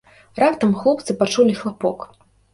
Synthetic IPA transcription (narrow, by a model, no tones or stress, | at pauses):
rapt̪ɐmxlˠɔp̚t̪sɨpat͡ʂulʲixlˠapɔk